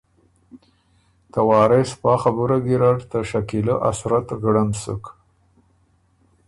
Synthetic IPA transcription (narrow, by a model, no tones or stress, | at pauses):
t̪awɑːɾespɑːxabuɾaɡiɾaɽt̪əʃakiləʔa̰sɾat̪ɣɽamsə̰k